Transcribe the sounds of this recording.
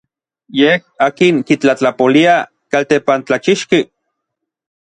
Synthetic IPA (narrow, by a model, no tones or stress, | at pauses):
jehaːkiŋkit͡ɬat͡ɬapolia | kalt̪epant͡ɬat͡ʃiʃki